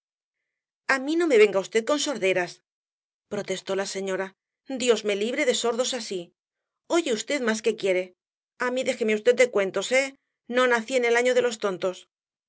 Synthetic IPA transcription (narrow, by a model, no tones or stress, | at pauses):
amino̞me̞βe̞ŋɡaust̪e̞ð̚ko̞nso̞ɾðe̞ɾas | pɾo̞t̪e̞st̪o̞lase̞ɲo̞ɾa | d̪jo̞zme̞liβɾe̞ðe̞so̞ɾðo̞sasi | o̞ʝe̞ust̪e̞ðmas̬ke̞kje̞ɾe̞ | amiðe̞xe̞meust̪e̞t̪̚d̪e̞kwe̞nt̪o̞se̞ | no̞naθie̞ne̞laɲoð̞e̞lo̞st̪o̞nt̪o̞s